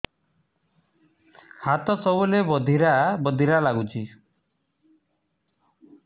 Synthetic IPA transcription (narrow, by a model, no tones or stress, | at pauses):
hat̪ɔsɔbulebɔd̪ʱiɾabɔd̪ʱiɾalaɡut͡ʃʰi